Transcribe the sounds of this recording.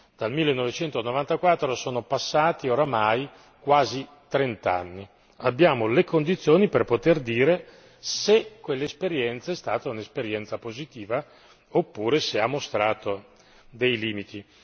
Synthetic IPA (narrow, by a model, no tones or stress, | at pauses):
d̪̥almilːenːovet͡ʃɛnt̪onovant̪akwat̪ːɾosoːnopasːaːt̪ioɾamaj | kwaːzi | t̪ɾent̪a̰nːi | abːjaːmolekond̪it̪sːjoːniperpot̪erd̪iːɾe | sekːwelːespeɾjɛnt̪saɛst̪aːt̪aunespeɾjɛnt̪sapozit̪iːva | opːuːɾeseamːost̪ɾaːt̪o | d̪ejliːmit̪i